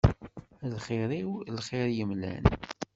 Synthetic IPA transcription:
lχɪɾiwlχɪɾjəmlæ̰n

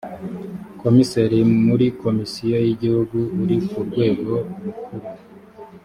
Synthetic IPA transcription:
ko̞miseɾimuɾiko̞misijojiɟihuɡuːɾikuɾɡwe̞ːɡo̞ɾukuɾu

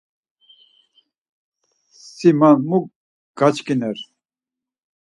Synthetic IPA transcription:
ssimanmu | ɡ̥at͡ʃkʼinɛɾ

